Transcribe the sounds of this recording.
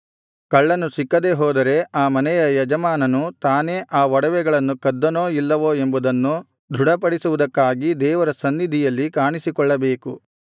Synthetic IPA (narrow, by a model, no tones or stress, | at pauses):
kɐɭːɐnːusikːɐd̪e̞ːɦɔːd̪ɐɾe̞aːmɐnɛjɐjɐd͡ʒɐmaːnɐnut̪aːne̞ːʔaːʋɔɽɐʋɛɡɐɭɐnːukɐd̪ːɐnoːilːɐʋoːe̞mbud̪ɐnːu | d̪ʱuɽɐpɐɽisuʋud̪ɐkːaːɡid̪ɛːʋɐɾɐsɐnːid̪ʱijɐlːikaːɳisikɔɭːɐbeːku